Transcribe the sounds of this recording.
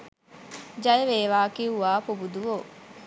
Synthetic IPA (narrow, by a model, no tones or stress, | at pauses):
d͡ʒɐjeʋeːʋaːkiuʋaːpobud̪uʋo